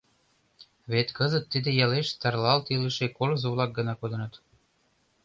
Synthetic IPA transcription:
βet̪kəzət̪ːid̪ĕjɑleʃt̪ɑrlɑlt̪iliʃekolɤ̆zoβlɑk̚ɡə̆nɑkod̪ɤ̆nɤ̆t̪

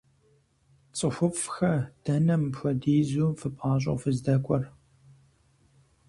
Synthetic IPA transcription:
t͡sʼɨxʷʊfʼxɐd̥ɐnɐmpxʷɐdeːzuːfɨpʼaːɕ̬ʼɐ̰wfɨzdɐkʷʼɔr

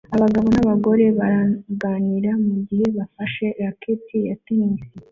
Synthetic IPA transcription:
aβaɡaβo̞naβaɡo̞ɾe̞βaɾaɡaːniɾamuɟihe̞βafaʃe̞ɾakʰetijatinisi

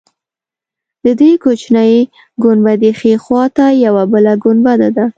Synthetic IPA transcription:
d̪əd̪ejkot͡ʃnaj | ɡʊnbad̪exexwɑt̪ajawabəlaɡʊnbad̪ad̪a

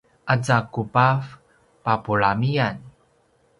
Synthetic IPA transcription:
ʔat͡sakupaf | papuɭamian

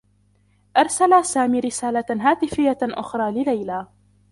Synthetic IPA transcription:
ʔɑɾˤsalasaːmiːɾɪsaːlaɦaːt̪ɪfɪjːaʔʊ̰xɾˤɑːlɪlajlaː

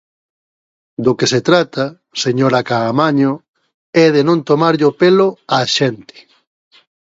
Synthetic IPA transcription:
d̪okeset̪ɾat̪ɐ | seɲoɾakaːmaɲʊ | ɛðenõnt̪omaɾʎopeloaʃɛnt̪ɪ̥

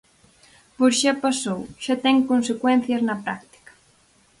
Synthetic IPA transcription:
poɾʃapasowʃat̪ɛŋkonsekwɛn̟θjɐznɐpɾa̰k̚t̪i̥kɐ̥

